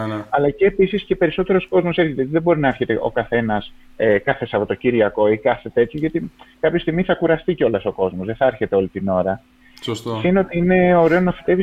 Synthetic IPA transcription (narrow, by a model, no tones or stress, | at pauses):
ɐlɐceːpisiscepe̞ɾiso̞t̪e̞ɾo̞sko̞zmo̞se̞ɾçet̪eot̪iðebo̞ɾinɐeɾçet̪eʔo̞̰kɐθe̞nɐsekɐθesɐpo̞t̪ociɾʝɐko̞ikɐθe̞t̪e̞t̪ʰçoʝɐt̪ikɐpçost̪iɣmiθɐkuɾɐst̪iceo̞lɐso̞ko̞zmo̞zðeθɐeɾçe̞t̪e̞o̞lit̪ino̞ɾɐ | sst̪sineot̪iine̞oɾeoznɐfi̥t̪e̞vi